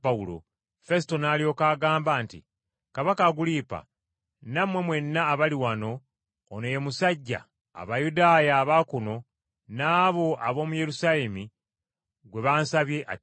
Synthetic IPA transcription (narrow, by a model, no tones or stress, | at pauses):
aulo̞̰ | fe̞sito̞naːlio̞ːkaːɡaːmbaːntḭ | kaβakaɡuliːpa̰ | namwe̞mwe̞nːaːβaliwano̞ː | nojemusaɟːa̰ː | βajudaːjaːβakuno̞ | naːβo̞ʔaβo̞ːmuje̞ɾusale̞mi | ɡwe̞βaːnsaβje̞ʔa̰